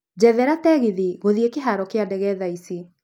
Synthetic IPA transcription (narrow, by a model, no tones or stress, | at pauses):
d͡ʑɛðɛɾatɛɣiðiɣoðiekeɦaɾɔkeandɛɣɛðaisi